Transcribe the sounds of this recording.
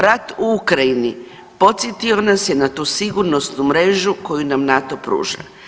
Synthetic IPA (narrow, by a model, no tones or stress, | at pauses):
ɾat̪uukɾajini | po̞t̪sjet̪ionasjenat̪uːsiɡuɾnosnumɾe̞ʒuko̞junamnat̪o̞pɾṵːʒa̰